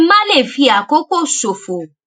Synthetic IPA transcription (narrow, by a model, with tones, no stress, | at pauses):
mã˦le˦˨fi˧a˨ko˨˦ko˦˨so˨fo˨